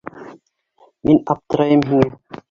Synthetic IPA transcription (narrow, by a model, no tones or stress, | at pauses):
minɑp̚t̪ɤ̆ɾɑjɤmɦiŋæ